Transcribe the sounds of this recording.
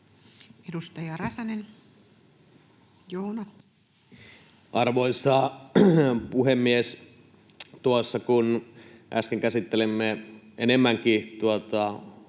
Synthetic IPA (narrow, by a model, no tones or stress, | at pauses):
edust̪ɑjɑrɑsɑnen | joːnɑ | ʔɑrʋoisɑ | puhemːies | t̪uɑsːɑkunʔæ̰skeŋkæsit̪ːelemːeenemːæŋkit̪uot̪ɑ